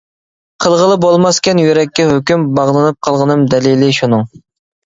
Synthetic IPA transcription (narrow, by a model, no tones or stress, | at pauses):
qʰəlˠʁəlˠɨp̚bolˠmɑskʲɛnjøɾɛkʲːɛɦøkʲymbɑʁlˠɨnɨp̚qʰɑlˠʁənɨmd̪ɛlilɪʃunɨŋ